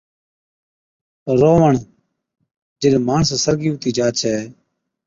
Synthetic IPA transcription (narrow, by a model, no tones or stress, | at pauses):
ɾoːʋəɳ | d͡ʒɪɗmaːɳssəɾɡiːʊt̪iːd͡ʒaːt͡ʃʰɛː